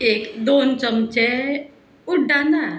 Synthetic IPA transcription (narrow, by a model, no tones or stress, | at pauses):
ekd̪ont͡ʃəmt͡ʃɛ | uɖana